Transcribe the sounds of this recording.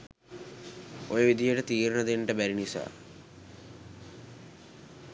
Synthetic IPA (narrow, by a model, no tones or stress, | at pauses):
ojəʋid̪ijəʈət̪iːɾnəd̪eɳʈəbæɾinisa̰ː